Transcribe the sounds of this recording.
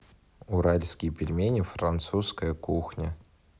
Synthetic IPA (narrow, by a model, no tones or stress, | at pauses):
ʊɾalʲskʲɪjpʲɪlʲmʲenʲɪfɾɐnt̪suskəjəkuxnʲə